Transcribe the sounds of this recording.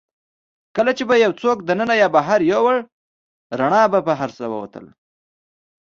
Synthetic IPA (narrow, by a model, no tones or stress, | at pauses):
kəlat͡ʃebajawt͡sok̚d̪ənənajɑbaɦaɾjowəɽ | ɾaɳɑbapaɦaɾsawə̰wa̰t̪ə̰l